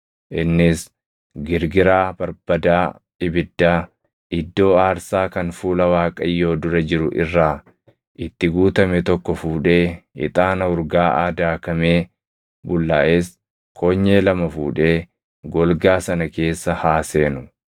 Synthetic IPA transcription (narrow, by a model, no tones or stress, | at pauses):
ʔɪnːɪs | ɡɪɾɡɪɾaːbɐɾb̥ɐd̪aː | ɪbɪd̪ːaː | ʔɪd̪ːo̞ːaːɾsaːkɐnfuːlɐwaːkʼɐjːo̞ːd̪ʊɾɐd͡ʒɪɾʊʔɪrːaː | ʔɪt̪ːɪɡuːt̪ɐmɛt̪ɔkːɔfuːᶑe̞ːɪ̰t̪ʼaːnɐʊɾɡaːʔa̰ːd̪aːkɐme̞ː | bʊlːaːʔeːs | kʰoːɲːe̞ːlɐmɐfuːᶑe̞ː | ɡɔlɡaːsɐnɐke̞ːsːɐhaːse̞ːnʊ